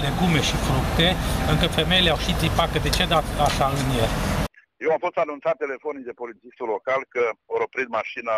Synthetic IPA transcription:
leɡume̞ʃifɾukt̪e̞ɨŋkəfe̞mejeleawʃit̪ipakəd̪e̞t͡ʃed̪at̪aʃaɨnjer | jewamfo̞st̪anunt̪sat̪ːe̞le̞fonid̪e̞po̞lit̪sist̪ulokalkəoɾopɾit̪̚maʃina

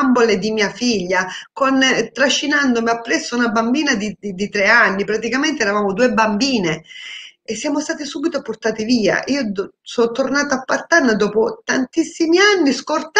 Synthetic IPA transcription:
mboled̪imiːafiʎːakont̪ɾaʃːinand̪omiapːɾɛsːounabambiːnad̪iid̪it̪ɾeanːipɾat̪ikament̪eɛːɾavaːmod̪uːebambiːne | esːjaːmost̪aːt̪isuːbit̪oport̪aːt̪iviːa̰ʔiːosɔnt̪ːornaːt̪aapːart̪anːad̪ɔːpot̪ant̪isːimianːiskort̪

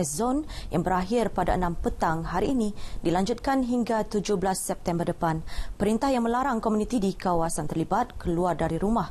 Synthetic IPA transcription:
ɛzɔnjaŋbəɾaɦɪrpadaənãmpət̪aŋɦaɾiːnĩdilaɲd͡ʒut̪̚kanɦiŋɡat̪ud͡ʒʊhblasːɛp̚t̪ɛmbərdəpanpəɾint̪ahjaŋmə̃laɾaŋkomunĩt̪idikawasant̪ərlibat̪̚kəluardaɾiɾumah

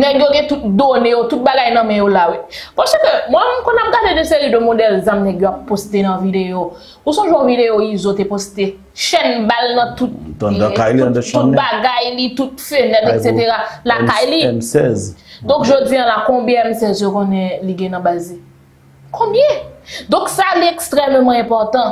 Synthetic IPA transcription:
nɛɡjoɡɛ̃t̪ut̪̚d̪onejot̪ut̪̚baɡajnɐ̃mɛ̃jolawipɔsøkømwɛmkɔ̃nam̩t̪adedəselidømodɛlzamnɛɡjoapːost̪enɐ̃video | usɔ̃ʒwɛ̃ɔ̃videoizot̪epost̪e | ʃɛnbalnɐ̃t̪ut̪̚kajut̚baɡajlit̪ut̪fønɛt̪ekseteʁalakajlisɛzd̪ɔ̃kʒod̪iãlakɔ̃bjɛ̃ɛmsɛzjokɔ̃nɛ̃liɡɛ̃nɐ̃bazi | kʰɔ̃bjɛ̃d̪ɔ̃ksaliɛkst̪ʁɛmmɑ̃ɛ̃pɔʁt̪ɑ̃

